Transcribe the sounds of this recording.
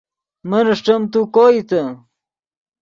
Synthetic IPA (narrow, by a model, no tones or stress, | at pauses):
mɐnɐʂʈɐmt̪ukoːit̪ɐ